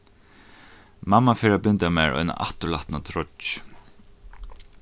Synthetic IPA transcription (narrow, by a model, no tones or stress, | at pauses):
mamːafɛːɾapʏnt̪amaːɹɔ̰jna̰ʔa̰ht̪ʊɭlaht̪nat̪ʰɾɔ